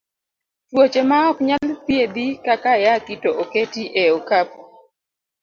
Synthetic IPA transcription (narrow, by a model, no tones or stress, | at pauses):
twot͡ʃemaɔkɲalpjed̪ikakajakitoʔoketiʔeɔkap